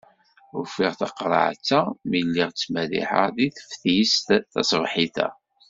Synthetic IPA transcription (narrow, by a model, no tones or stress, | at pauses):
ʊfiʁθɑqːɾˤə̰ʕt͡sːamilːiʁt͡sːmælḭħə̰ðiθə̥fθjist̪θɑ̰sˤvħiθæ̰